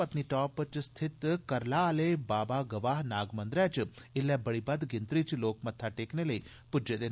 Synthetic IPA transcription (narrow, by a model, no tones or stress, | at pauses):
ɐt̪niːʈɔːpt͡ʃst̪ʰɪt̪kɐɾlaːleːbaːbaːɡɐʋaːɦnaːɡmɐ̃nd̪ɾɛːt͡ʃɪlːɛbɐɽiːbɐd̪ɡɪnt̪ɾiːt͡ʃloːkmɐt̪ʰːaʈeːkneləiː | pʊd͡ʒed̪eː